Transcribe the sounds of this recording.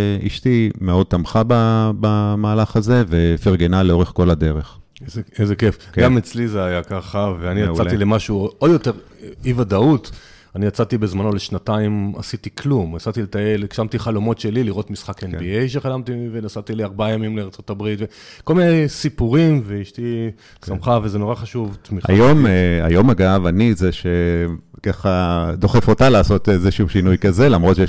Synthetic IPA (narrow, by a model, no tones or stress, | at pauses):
ḭʃt̪imeo̞d̚t̪amχababamaːlaχazevefiʁɡenaleo̞ʁeχko̞lad̪e̞ʁeχ | ezezekefɡamet͡slizeajakaχaveanijat͡sat̪ilemaʃuood̪jo̞te̞ʁ | ivad̪aut | anijat͡sat̪ibe̞zmano̞leʃnataima̰sitikʰlumat͡sat̪ilet̪aelekʃamt̪iχalo̞mo̞tʃe̞liliʁo̞t̪misχakenbiejʃe̞χalamt̪ivenasat̪iliaʁbaajamimleaʁt͡so̞tabʁit̪ve̞ | ko̞lminejsipuʁimveiʃti | ssamχavezeno̞ʁaχaʃuvt̪miχa̰joma̰jo̞maɡavanitzeʃekaχad̪o̞χefo̞talaːso̞t̪ezeʃuuʃinujkazelamʁot̪t͡ʃʃe